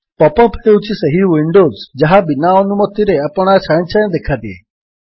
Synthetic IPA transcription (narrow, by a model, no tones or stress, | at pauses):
pɔpɔpʰeut͡ʃʰisəɦiʋiɳɖozd͡ʒəɦãbinaɔnumɔt̪ːiɾeapəɽ̃at͡ʃʰaj̃t͡ʃʰand̪ekʰad̪iḛ